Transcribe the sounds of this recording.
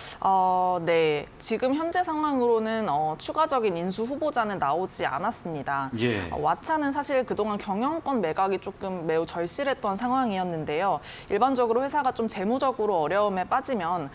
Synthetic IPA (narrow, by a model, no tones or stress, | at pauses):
ʌne̞t͡ɕiɡɯmçjʌnd͡ʑe̞sʰaŋɦwaŋɯɾonɯnʌt͡ɕʰuɡad͡ʑʌɡininsʰuɸubod͡ʑanɯnːaod͡ʑia̰nas͈ɯmɲidajʌ̰wat͡ɕʰanɯns̬ʰaɕʰiɭkɯdoŋɦankjʌŋjʌŋk͈ʌnme̞ɡaɡit͡ɕ͈ok͈ɯmːe̞ut͡ɕʌɭɕ͈iɾɦe̞t̚t͈ʌnsʰaŋɦwaŋijʌnːɯnde̞jo | iɭband͡ʑʌɡɯɾoɸwe̞sʰaɡat͡ɕ͈omt͡ɕe̞mud͡ʑʌɡɯɾoʌɾjʌɯme̞p͈ad͡ʑimjʌn